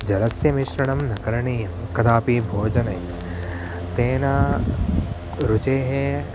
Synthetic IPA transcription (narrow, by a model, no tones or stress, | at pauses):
d͡ʒɐɾɐsjɐmiʃɾɐɽɐmnɐkɐɾɐɳiːjɐmkɐd̪aːpibʱoːd͡ʒɐnɐj | t̪eːnaː | ɾut͡ʃeːɦe